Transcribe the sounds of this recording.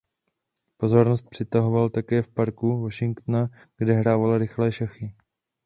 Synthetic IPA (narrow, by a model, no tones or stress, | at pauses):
po̞zo̞ɾnost̪̚pr̝̥ɪt̪aɦovalt̪akɛːfpaɾkuvo̞ʃɪŋkt̪na | ɡ̥dɛɦɾaːvalaɾɪxlɛːʃaxɪ